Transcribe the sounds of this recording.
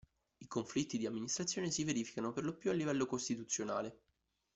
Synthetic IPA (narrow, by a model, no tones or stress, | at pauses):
ikoɱflit̪ːid̪iamːinist̪ɾat̪sːjoːnesiveɾiːfi̥kanoperlopjualːivɛlːokost̪it̪ut̪sːjonaːle